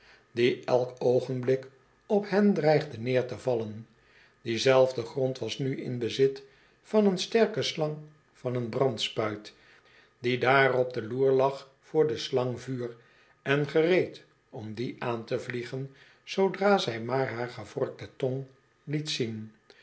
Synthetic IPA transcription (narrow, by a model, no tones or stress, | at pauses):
diʔɛlˠkowχənblɪk | ɔphɦɛndrɛjχdənɪːɹtəvɑlən | d̥izɛlˠvdəχrɔntʋɑsnyɪ̰nbəzɪt | fɑnənstɛɹkəslɑŋ | fɑnənbrɑntspœɥt | d̥idaːrɔb̚dəluːɹlɑχ | fʊːɹdəslɑŋvyːr | ɛnχərejt | ɔmdiʔaːntəvliχən | z̥owdraːzɛjmaːɹɦaːɹχəv̥ɔɹk̚tətɔŋ | litsin